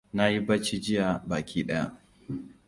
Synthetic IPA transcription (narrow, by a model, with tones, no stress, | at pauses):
na˦ji˦ba˦t͡ʃi˦d͡ʒɪ˦ja˨baː˨kʲʰiː˦ɗɐ˦ja̰˦